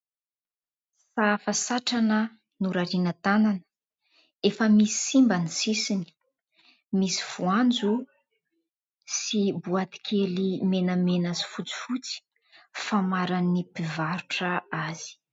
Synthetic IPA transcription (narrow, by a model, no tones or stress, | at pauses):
fafasaʈ͡ʂanə | nuɾaɾinət̪ananə̥ | efəmisi̥simbanisisini̥ | misi̥v̥uand͡zu | sibuat̪i̥kʲʰelimenəmenazi̥fut͡si̥fut͡si̥ | famaɾanipivaɾuʈ͡ʂəaz̥i̥